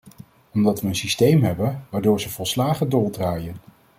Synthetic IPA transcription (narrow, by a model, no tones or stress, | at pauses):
ɔmdɑtʋəənsistejmɦɛbənʋaːɹdʊːɹzəvɔlˠslaːχədoːlˠdraːjən